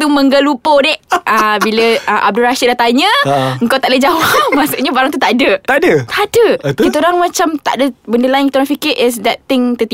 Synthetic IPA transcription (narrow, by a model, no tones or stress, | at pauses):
t̪umə̃ŋɡəlupodɛʔəbiləəʔa̰b̚dulɾaʃit̪̚daht̪aɲə̃əŋkawt̪aʔdəd͡ʒawamasuʔɲəbaɾaŋt̪ut̪aʔadət̪adət̪aʔadəkit̪əoɾaŋmat͡ʃamt̪a̰ʔdəbəndəlaɪŋkit̪əoɾaŋfikɪɾʔɛs̬dɛt̪ɪŋt̪ət̪i